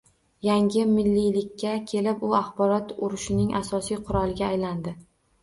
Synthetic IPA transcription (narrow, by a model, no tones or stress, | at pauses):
jaŋɡʲɪmɪlːijlɪkʲːakʲʰe̞lɪpʊaχbɒɾɒt̪ʊɾʊʃɪnɪŋʔasɒsijqʰʊɾɒlˠɪɡʲaːjland̪ɪ